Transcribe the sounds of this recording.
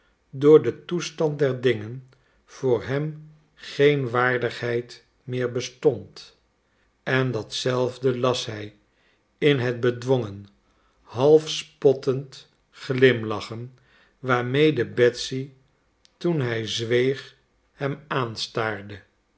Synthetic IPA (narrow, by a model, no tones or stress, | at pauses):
dʊːɹdətustɑnt̚dɛɹdɪŋən | v̥ʊːɹɦɛm | χejnʋaːɹdəχɦɛjt | mɪːɹbəstɔnt | ɛndɑtsɛlˠvdəlɑsɦɛj | ɪnɦəd̚bədʋoŋən | ɦɑlˠfspɔtənt | χlɪmlɑχən | ʋaːɹmejdəbɛtsi | tunɦɛjzʋejχ | hɛmaːnstaːɹdə